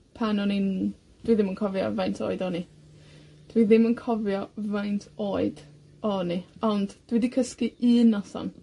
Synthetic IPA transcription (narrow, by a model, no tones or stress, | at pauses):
pʰanɔnin | d̥wiðɪmənkʰɔvjɔ̰vajntʰo̰ːɨdɔni | d̥wiðɪmənkʰɔvjɔvajntʰoːɨd̥ | ɔniɔndd̥wɛdikʰəskiʔɨːnːasɔ̰n